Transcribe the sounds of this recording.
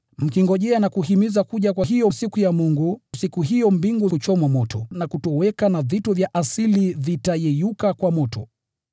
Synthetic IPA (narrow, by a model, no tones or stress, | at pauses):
m̩kiŋɡɔʄɛanakuhimizakuʄakwaɦijɔsikujamuŋɡusikuɦijɔmbiŋɡut͡ʃɔmamɔtʰɔnakutɔwɛkanavitɔvjaʔasilivitajɛjukakwamɔtɔ̰